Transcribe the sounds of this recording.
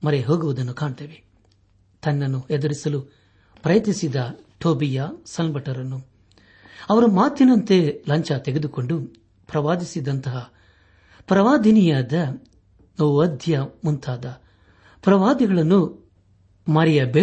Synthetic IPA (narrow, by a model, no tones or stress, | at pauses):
mɐɾeɦoːɡuʋud̪ɐnːukaːɳt̪eːʋe | t̪ɐnːɐnːuɛd̪uɾisɐlu | pɾɐjɐt̪nisid̪ɐ | ʈʰoːbijɐsɐlbɐʈɐɾɐnːu | ɐʋɐɾumaːt̪inɐnt̪e̞lɐɲt͡ʃɐt̪eɡed̪uko̞ɳɖu | pɾɐʋaːd̪isid̪ɐnt̪ɐɦɐ | pɾɐʋaːd̪inijaːd̪ɐ | nɐʋuɐd̪ʱjɐmunt̪ʰaːd̪ɐ | pɾɐʋaːd̪iɡɐɭɐnːu | mɐɾɛjɐbe